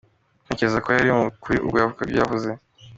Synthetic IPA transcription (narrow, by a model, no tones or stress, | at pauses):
n̥eceɾezakojaɾioukuɾiʔṵbɡojavukaɡɡa̰vuze